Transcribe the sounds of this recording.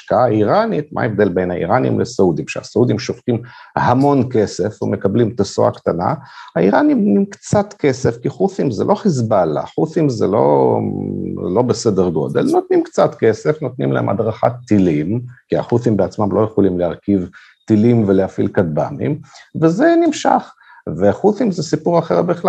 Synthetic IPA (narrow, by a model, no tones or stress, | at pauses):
ʃkaaiʁanit̪mʔa̰evd̪e̞lbe̞jnaḭʁanḭmlesaud̪imʃḛa̰saud̪imʃoftimhamo̞nke̞se̞fumekablimt̪aso̰a̰kt̪ana̰haiʁanimtnimkt͡sat̪ke̞sefkiχuθimzḛlʔo̞χizbala̰χuθimzḛlo̞̰ | lo̞besedeʁɡo̞̰d̪e̞̰lno̞t̪nimkt͡sat̪kese̞fno̞t̪nḭmla̰hemʔa̰d̪ʁaχa̰t̪ːilimkia̰χuθimbeat͡smamlʔo̞jeχolimleaʁkiv | t̪ilimveleafilkad̪̚ba̰mḭmvezenimʃa̰χ | veχuθimzesipuʁaχeʁbiχla